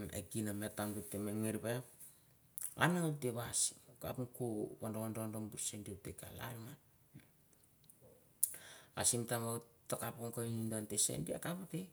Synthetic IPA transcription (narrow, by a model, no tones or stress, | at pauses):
ḛkinametaŋɡutːemeŋiɾbe | a̰naŋateβasi̥mka̰punkuβandoŋondondombuɾsenditeka̰la̰ma | asimtamawtːakapoŋkoinindontesḛndia̰kapute